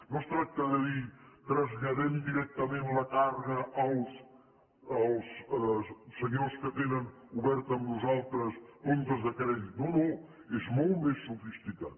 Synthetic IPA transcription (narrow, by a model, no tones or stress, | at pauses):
nost̪ɾak̚t̪aðəðit̪ɾəzʎəðemd̪iɾɛk̚t̪əmẽnləkarɣəʔəlˠs | əlˠs | səɲoskət̪enən | uβɛɾt̪əmnuzalˠt̪ɾəspont̪əzðəkɾɛðit̪̚uno | ezmolˠt̪mesːufist̪ikat̪